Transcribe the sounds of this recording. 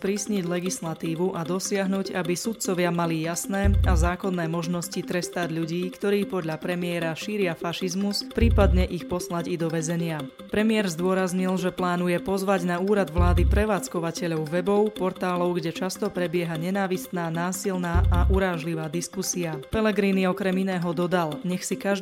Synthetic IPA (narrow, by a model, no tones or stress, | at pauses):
spɾiːsɲiɟlɛɡislat̪iːʋuʔad̪ɔsɪaɦnuːɟabisut̪̚t͡sɔʋɪamalijasnɛːazaːklɔnːɛːmɔʒnɔscit̪ɾɛst̪aɟʎuɟiːkt̪ɔɾiːpɔd̪ʎapɾɛmɪɛɾaʃiːɾɪafaʃizmuspɾiːpad̪ɲɛʔixpɔslaɟid̪ɔʋɛzɛɲɪa | pɾɛmɪɛɾzd̪ʊɔɾazɲilʒɛplaːnujɛpɔzʋaɟnauːɾad̪ʋlaːd̪ipɾɛʋaːt͡skɔʋacɛʎɔʊʋɛbɔʊpɔɾt̪aːlɔʊɡɟɛt͡ʃast̪ɔpɾɛbɪɛɦaɲɛnaːʋist̪naːnaːsilnaːʔaʔuɾaːʒliʋaːd̪iskusiapɛlɛɡɾiːniɔkɾɛminɛːɦɔd̪ɔd̪alɲɛxsikaʒ